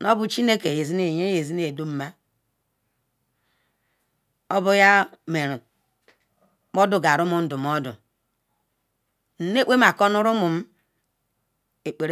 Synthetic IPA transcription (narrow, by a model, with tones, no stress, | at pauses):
no˦bu˦t͡ʃi˦ne˦ke˨je˨zi˦ne˨ɲe˦e˨zi˦n˦e˨du˦m̩˨˦ma˦ | o˦bu˦ja˦me˨ɾu˨ | mo˦du˨ɡa˨ɾu˦mu˨n̩˦du˨m˨ɔ˦dṵ˨ | n̩˨˦ne˦k͡pʷe˦ma˨ko˦nu˦ɾu˦mu˨m̩˦ | e˨k͡pe˨ɾe˦